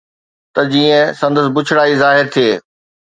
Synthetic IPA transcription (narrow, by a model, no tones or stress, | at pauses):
t̪ɐd͡ʑiːə̃sɐ̃nd̪əs̬bʊt͡ɕʰɪɽaːizaːɦɪɾt̪ʰieː